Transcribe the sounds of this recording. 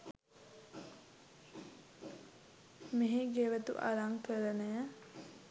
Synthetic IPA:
meɦeɡeʋət̪ṵʔa̰laŋkəɾənəə

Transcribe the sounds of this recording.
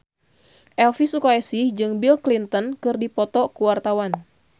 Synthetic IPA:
ʔɛlfisukaɛsihd͡ʒɨŋbilklint̪ənkɨrdipɔt̪ɔkuwart̪awan

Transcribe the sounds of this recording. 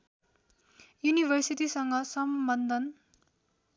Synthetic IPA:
junibʱʌrsit̪isʌŋɡʌsʌmbʌnd̪ʱʌn

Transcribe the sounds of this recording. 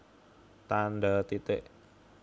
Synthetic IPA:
t̪andat̪it̪eʔ

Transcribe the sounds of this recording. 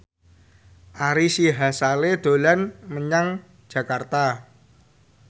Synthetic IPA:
ʔaɾisiɦasaleɖ̪̥o̤lanməɲaŋ̥ | d͡ʒ̥ä̤kart̪a

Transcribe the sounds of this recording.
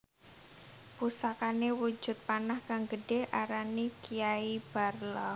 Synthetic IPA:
pusakanewu̥d͡ʒ̥ʊ̤t̪̚panahkaŋɡəɖ̥ehʔaɾanikijaib̥a̤rlɔ

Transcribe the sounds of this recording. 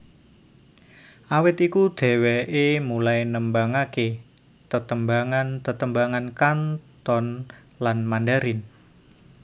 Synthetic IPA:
ʔawɪt̪ikud̪̥ɛ̤weʔemulajnəmbaŋake | t̪ət̪əmbaŋant̪ət̪əmbaŋankant̪ɔn | lanmandaɾɪn

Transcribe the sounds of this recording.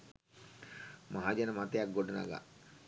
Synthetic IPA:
maɦad͡ʒanəmat̪ejak̚ɡoɖəna̰ɡa̰

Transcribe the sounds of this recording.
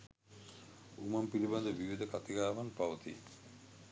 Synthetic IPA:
umampiliband̪eɾbibʱid̪ʱokat̪iɡaabanpawt̪ʰḭ

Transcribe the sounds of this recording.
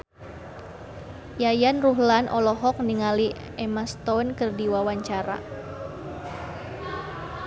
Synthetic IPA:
jajanruɦlanʔɔlɔɦɔk̚niŋali | ɛmast̪ɔnkərdiwawaɲt͡ʃaɾa̰

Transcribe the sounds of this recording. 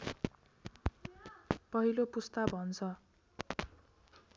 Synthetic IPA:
pʌɦilopust̪abʱʌnt͡sʰʌ

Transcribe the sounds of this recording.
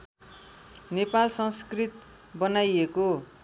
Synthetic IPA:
nepalsʌŋskrit̪̚ | bʌnajeko

